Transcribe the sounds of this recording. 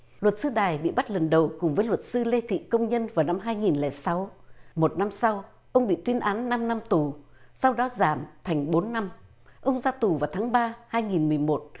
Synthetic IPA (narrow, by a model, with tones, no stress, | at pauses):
lwə˨˩t̚sɨ˧ɗaː˨˩jɓḭ˧˨ɓa˦˥t̚lə˨˩nɗə˨˩wkʊ˨˩ŋ͡mvəː˨˦jlwə˨˩t̚sɨ˧le˧t̪ʰḭ˧˨kə˧wŋ͡mɲə˧nvaː˨˩wna˧mɦaː˧jŋi˨˩nlɛ̰˧˩sa˨˦wmo˨˩t̚na˧msa˧w | ʔə˧wŋ͡mɓḭ˧˨t̪wi˧ənʔaː˨˦nːa˧mna˧mt̪u˨˩ | sa˧wɗɔ˨˦zaː˧˩mt̪ʰa˨˩ŋ̟ɓo˨˦nːa˧m | ʔə˧wŋ͡mzaː˧t̪u˨˩vaː˨˩wt̪ʰaː˨˦ŋɓaː˧haː˧jŋi˨˩nmɨ˨˩əjmo˨˩t̚